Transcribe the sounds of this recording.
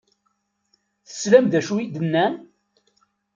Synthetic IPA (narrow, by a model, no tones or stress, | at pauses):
θə̥slæmðæʃuid̪ənːæn